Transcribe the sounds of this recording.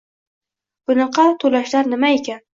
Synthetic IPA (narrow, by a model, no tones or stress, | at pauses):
b̥ʊnɨqʰɑt̪ʰolaʃlaɾnɪmaekʲʰan